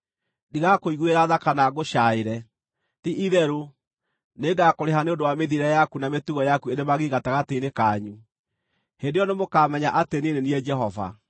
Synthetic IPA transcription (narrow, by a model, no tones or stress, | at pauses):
diɣakoiɣweɾaðakanaɣoʃaeɾɛ | tiʔiðɛɾo | neɡakoɾeɦaneondowameðiɾɛjakunametuɣɔjakueɾemaɣeɣataɣateinekaɲu | hendejɔnemokaːmɛɲaʔatenineniɛd͡ʒɛɦɔva̰